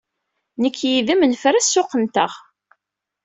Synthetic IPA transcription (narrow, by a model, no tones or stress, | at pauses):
nəkʰːjiðəmənfɾæsːʊqːənt̪əʁ